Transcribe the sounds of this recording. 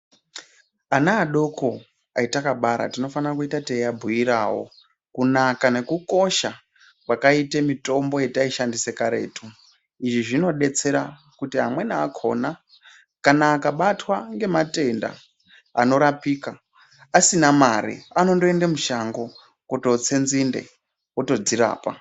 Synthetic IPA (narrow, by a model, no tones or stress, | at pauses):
anaːɗo̞kʰo | aitakaɓaɾa̰tino̞fanirakuitateabʱujiɾawo̞̰ | kunakane̞kuko̞ʃa | kwakaitemito̞mbo̞je̞taiʃandise̞kaɾe̞̰ːto | iʐiʐino̞ɗe̞t͡se̞ɾa | kutiɦamwe̞naːkʰo̞̰na | kanaːkaɓatwaŋɡe̞mate̞nda̰ː | no̞ɾapiːka | asinamaɾḭano̞ndoendemuʃaŋɡo | koto̞t͡se̞nzinde̞̰ | koto̞d͡ziɾa̰ːpa̰